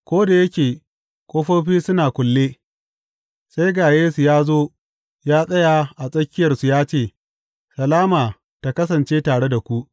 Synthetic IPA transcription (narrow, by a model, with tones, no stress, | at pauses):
kʷoː˦da˨jɐ˦kʲeː˨ | kʷoː˦ɸoː˦ɸiː˦sʊ˦naː˨kʷʊ˨lːeː˦ | sa˦jɡaː˨jeː˦su˨jaː˦zoː˦ | jaː˦sʼɐ˦jaː˨ʔa˨sʼɐ˦kʲːɪ˦jɐ˨rsu˨jaː˦t͡ʃeː˦˨ | sɐ˨laː˦maː˨ | ta˨kɐ˦s̬ɐ˨nt͡ʃeː˦taː˨ɽe˦da˨kʷu˦ʔ